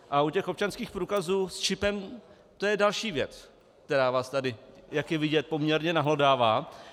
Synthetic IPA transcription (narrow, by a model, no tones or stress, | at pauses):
ʔaucɛxo̞p̚t͡ʃanskiːxpɾuːkazuːst͡ʃɪpɛm | t̪o̞jɛdalʃiːvjɛt͡s | k̚t̪ɛɾaːvaːst̪adɪjakjɛvɪɟɛt̪̚po̞mɲɛɾɲɛnaɦlodaːvaː